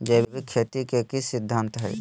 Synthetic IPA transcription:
d͡ʒeːbbikʰːet̪ikekisɪd̪ʱːãnt̪ɦɛ̰ː

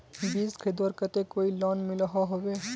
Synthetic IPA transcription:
biːskʰeːd̪wəɾkət̪ekoːilɔːnmɪləɦaɦoweː

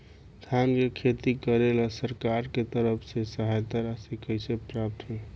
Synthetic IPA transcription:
d̪ʰʱjankekʰet̪ikəɾelasəɾkaɾket̪əɾəpʰsesəɦajt̪əɾasikʰəjsepɾap̚t̪ɦe

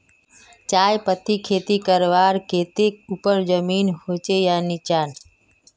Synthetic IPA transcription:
t͡ʃaːjpət̪ikʰeːt̪ikəɾʋaːɾkʰeːt̪ekupəɾd͡ʒəmiːnɦot͡ʃejanit͡ʃaːn

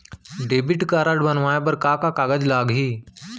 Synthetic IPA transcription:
ɖebɪʈkaɾaɖbənʋajabəɾkakakaɡəd͡ʑlaɡɦiː

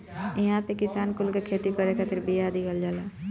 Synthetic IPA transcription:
ɪɦãpekɪsaːnkʊlkekʰeːt̪ikəɾekʰat̪ʰɪɾbijad̪ɪkəld͡ʒaːlaː

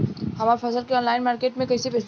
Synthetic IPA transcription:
hɐmaːɾfɐsəlkeɔːnlaːɪnmaːɾkeːʈmẽkɐɪsibɪs

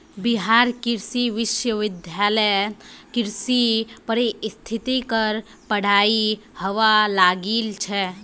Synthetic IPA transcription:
biɦaːɾkɪɾsiʋɪʃjəʋɪd̪ʱjaːləjkɪɾsipəɾist̪ʰit̪ikəɾ | pəɽ̤aːihəʋalaːɡiːlt͡ʃʰɛ

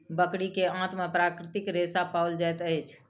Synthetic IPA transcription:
bəkɽikeãt̪mepɾakɾɪt̪ikɾesapawld͡ʒajt̪əjt͡ʃʰ

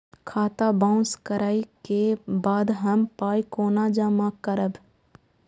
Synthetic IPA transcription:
kʰaːt̪abãʊskəɾaːikebaːd̪ɦəmpaːikoːnaːd͡ʒaːmakəɾəb

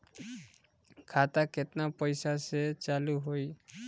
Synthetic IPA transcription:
kʰat̪aket̪napəjsaset͡ʃaluɦoi

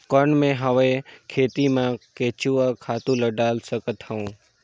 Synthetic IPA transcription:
kəɳmẽɦəʋekʰeːt̪imãkeːt͡ʃuakʰaːt̪ũləɖaːlsəkət̪həũː

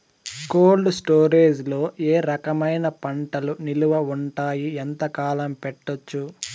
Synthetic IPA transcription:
koːlɖsʈoːɾeːd͡ʒlo̞ːʔe̞ːɾɐkɐmɐjnɐpɐɳʈɐluniluʋɐuɳʈaːjient̪ɐkaːlɐmpɛʈːot͡ʃːu

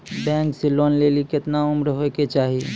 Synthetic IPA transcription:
bɛ̃ːŋkseloːnleːlikɪt̪naʊmɾɦoket͡ʃaːɦi

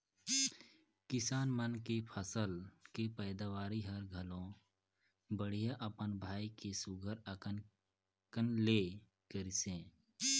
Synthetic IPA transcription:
kɪsaːnmənkepʰəsəlkepəːd̪aːʋaːɾiɦəɾɡʱəlõ | bəɽ̤ijaʔəpənbʱaːikesʊɡʱəɾəkə | kənle | kəɾɪsẽː

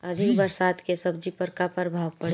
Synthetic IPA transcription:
əd̪ʱɪkbəɾsaːd̪kesəb̚d͡ʒipəɾkapəɾbʱaːʋpəɽ

